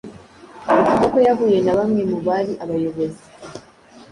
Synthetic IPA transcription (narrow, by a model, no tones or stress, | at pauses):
mukibokojavujenaβamwemuβaliʔaβajoβozi